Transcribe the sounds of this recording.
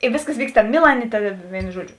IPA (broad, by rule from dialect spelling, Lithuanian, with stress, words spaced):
ɪ ˈʋʲeːsˌkɐs ˈʋʲiːkst ˈtɑːmʲeː ˈmʲɪlˠɐnʲeː ˈtɐ ˈʋʲeːɪnʊ ˈʒuɔˌd͡ʒʲʊ